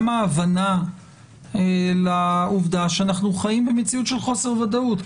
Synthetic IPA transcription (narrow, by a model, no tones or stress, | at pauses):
maːvana | lauvd̪aʃeanaχnuχajimbemet͡siutʃe̞lχo̞se̞ʁvad̪aut̪